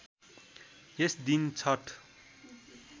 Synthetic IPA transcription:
jesd̪int͡sʰʌʈʰ

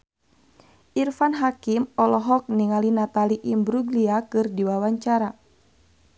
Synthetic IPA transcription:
ʔirfanɦakimɔlɔɦɔk̚niŋalinat̪aliʔimbɾuɡliakɨrdiwawaɲt͡ʃaɾa

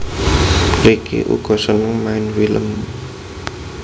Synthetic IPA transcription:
rikʰḭʔṵɡ̥ɔ̤sənəŋmaɪnwilə̰m

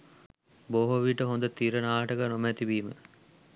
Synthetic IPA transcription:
boːɦoʋiːʈəɦond̪ət̪iːɾənaːɦɐʈəɡənomət̪ibiːmə̰

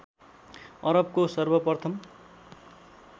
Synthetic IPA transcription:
ʌɾʌb̚kosʌrbʌpʌrt̪ʰʌm

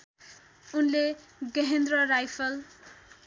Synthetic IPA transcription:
unleɡʌɦend̪rʌrajpʰʌl

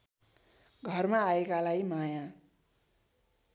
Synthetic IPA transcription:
ɡʱʌrmaːekalajimajã

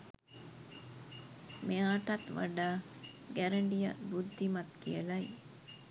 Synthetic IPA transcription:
meaːʈɐt̪ʋa̰ɖaːɡæɾəɳɖija̰bud̪ʱːimat̪kijəlaj

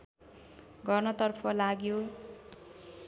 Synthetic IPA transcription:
ɡʌrnʌt̪ʌrpʰʌlaɡjo

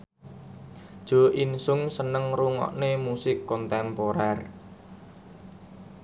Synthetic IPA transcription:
d̥ʒ̥o̤ʔinsʊŋsənəŋruŋɔ̰ʔnemusɪkːɔnt̪ɛmpoɾɛr

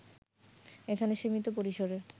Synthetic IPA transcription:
ekʰaneʃimit̪opoɾiʃoɾe

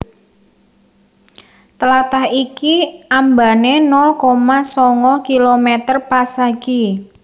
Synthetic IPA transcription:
t̪əlat̪ahikiamba̤nenɔlkomasɔŋɔkilomɛt̪ərpasaɡi

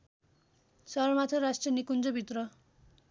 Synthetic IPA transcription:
sʌɾmat̪ʰʌɾasʈrʌnikund͡zʌbʱit̪rʌ

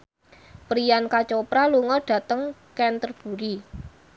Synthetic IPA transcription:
pɾijankat͡ʃopɾaluŋɔɖ̥ä̤t̪əŋkɛnt̪ərb̥ṳɾi

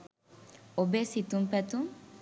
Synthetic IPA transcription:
obesit̪umpɛt̪uŋ

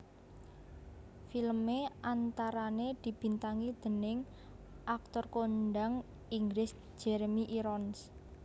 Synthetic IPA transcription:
filmeʔant̪aɾaned̪̥i̤b̥i̤nt̪aŋid̪̥ə̤nɪŋ | ʔak̚t̪ɔrkonɖaŋ | iŋɡlɪs | d͡ʒ̥ɛɾmiʔiɾɔns

